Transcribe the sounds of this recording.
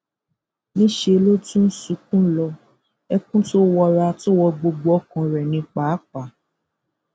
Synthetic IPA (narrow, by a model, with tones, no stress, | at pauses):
nĩ˦ʃe˧˦lo˦tũ˦n̩˦sũ˧kũ˦lɔ˧ | ɛ˦kũ˦to˦wɔ˧ɾa˧to˦wɔ˧ɡ͡bo˧ɡ͡bo˧˦ɔ˦kã˧ɾɛ˨nĩ˧k͡pa˨˦k͡pa˨